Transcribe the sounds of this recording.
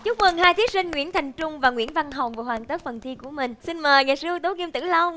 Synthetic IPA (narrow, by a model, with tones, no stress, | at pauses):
t͡ɕu˦˥k͡p̚mə˨˩nhaː˧jt̪ʰi˨˦˥əsï˧ŋ̟ŋwḭ˧˥ənt̪ʰa˨˩jŋ̟t͡ɕʊ˧ŋ͡mvaː˨˩ŋwḭ˧˥ənva˧nɦə˨˩wŋ͡mvəː˨˩hwaː˧˩ŋt̪əː˦˥t̚fə˨˩nt̪ʰi˧ku˧˩əmï˨˩ŋ̟si˧nməː˨˩jŋaː˨˩sɨ˧əwt̪o˨˦ŋi˧mt̪ɨ̰˧˩lə˧w